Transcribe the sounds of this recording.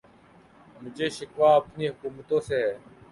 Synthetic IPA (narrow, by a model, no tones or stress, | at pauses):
mʊd͡ʒʱeːʃɪkʋaːəpniːɦʊkuːmət̪õːseː